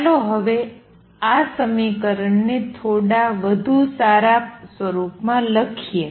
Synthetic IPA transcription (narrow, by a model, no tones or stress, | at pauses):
loɦəʋe | asəmikəɾəɳnet̪ʰoɽaʋəd̪ʱusaɾasʋəɾupmãləkʰie